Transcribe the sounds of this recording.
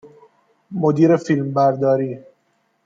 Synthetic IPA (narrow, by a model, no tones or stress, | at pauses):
mod̪iːɾefilmbæɾd̪ɒːɾiː